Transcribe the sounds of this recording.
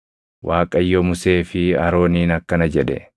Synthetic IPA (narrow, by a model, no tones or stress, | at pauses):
wʔaːkʼɐjːɔmʊse̞ːfɪɐɾo̞ːniːnɐkːɐnɐd͡ʒɛᶑɛ̰